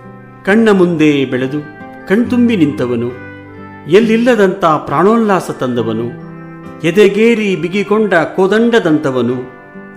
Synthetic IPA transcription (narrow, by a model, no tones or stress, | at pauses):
kɐɳːɐmund̪eːbɛɭed̪u | kɐɳt̪umbinint̪ɐʋɐnu | jelːilːɐd̪ɐnt̪ɐpɾaːɳoːnːaːsɐt̪ɐnd̪ɐʋɐnu | jɛd̪eɡeːɾibiɡikɔɳɖɐkoːd̪ɐɳɖɐd̪ɐnt̪ɐʋɐnu